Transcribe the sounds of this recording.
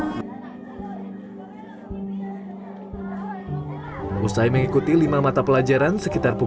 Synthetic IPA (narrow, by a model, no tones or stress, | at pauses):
ʔusajməŋikut̪ilimamat̪apəlad͡ʒaɾansəkit̪arpu